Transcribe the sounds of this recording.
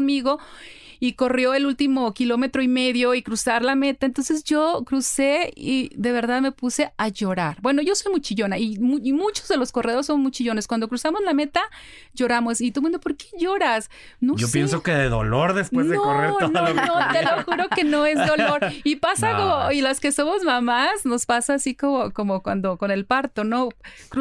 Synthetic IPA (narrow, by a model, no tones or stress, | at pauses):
onmiɣo̞iko̞rjo̞e̞lult̪imokilo̞me̞t̪ɾoime̞ðjo̞ikɾusaɾlame̞t̪aent̪o̞nsezʝo̞kɾuse̞iðe̞βe̞ɾðaðme̞puse̞aʝo̞ɾaɾbwe̞noʝo̞so̞jmut͡ʃiʝo̞naimumut͡ʃozðe̞lo̞skoreðosommut͡ʃiʝo̞neskwand̪o̞kɾusamo̞zlame̞t̪a | ʝo̞ɾamo̞sit̪omũnd̪opo̞ɾke̞ʝo̞ɾas | noopjensokeðeðo̰lo̞ɾðespwenðeooreɾnooeloxuɾokke̞no̞ezðo̞lo̞ɾipasakooilaske̞so̞mo̞zmãmasno̞spasaːsikomoko̞mokwwa̰nd̪o̞ko̞ne̞lpaɾt̪o̞no̞kɾ